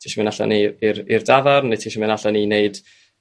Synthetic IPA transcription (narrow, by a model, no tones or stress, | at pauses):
tʰiʃəmɪnaɬa̰niiɾirdavarnɪtʰiʃəmɨnaɬanineɨd̥